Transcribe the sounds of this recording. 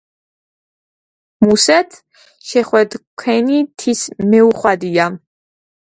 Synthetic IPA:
musɛt̪ʰ | ʃɛχwɛd̪kʰwɛnit̪ʰismɛuχwad̪ia

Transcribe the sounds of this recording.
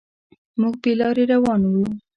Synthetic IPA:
mʊɡ̚pelɑɾeɾawɑnwlu

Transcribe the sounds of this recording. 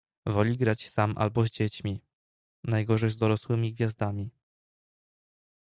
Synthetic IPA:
vɔlʲiɡɾat͡ɕsamʔa̰lbɔzʲd͡ʑet͡ɕmʲi | najɡɔʐɛjzd̪ɔɾɔswɘmʲiɡvʲjazd̪amʲi

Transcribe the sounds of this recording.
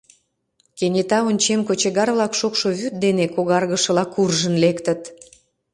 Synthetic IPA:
kenʲet̪ɑonʲt͡ɕemkot͡ɕeɣɑrβlɑkʃokʃoβyt̪̚d̪enekoɣɑrɣəʃə̆lɑkurʒənlekt̪ət̪

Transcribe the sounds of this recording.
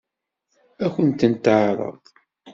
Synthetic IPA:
æçənt̪ənt̪əʕɾˤə̰ðˤ

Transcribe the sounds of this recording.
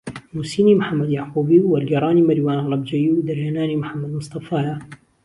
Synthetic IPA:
musiːnimħamːad̪jaquːbiwːalɡɐɾˤɑːnimaɾwaːnlˤɑb̚d͡ʒajiwd̪aɾjaːnaːnimħamːad̪mʊsˤt̪ˤɑfaːja

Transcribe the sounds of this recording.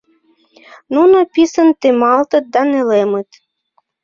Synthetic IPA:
nunapʲisənt̪emɑlˠt̪ət̪̚d̪ɑnelemət̪

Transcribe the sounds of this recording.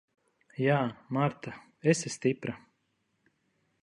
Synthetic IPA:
jaːmaɾt̪a | esɛst̪ipɾa

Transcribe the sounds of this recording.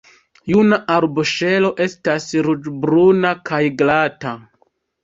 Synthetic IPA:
junaʔaɾboʃe̞lo̞ʔe̞stasɾud͡ʒbɾunakajɡlata

